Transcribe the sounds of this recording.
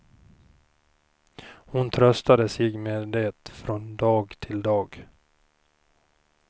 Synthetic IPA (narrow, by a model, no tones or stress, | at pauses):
hʊnt̪ʰɾœst̪ad̪əsɪːɡmeːd̪eːt̪fɾɔnd̪ɑːɡt̪ʰɪld̪ɑːɡ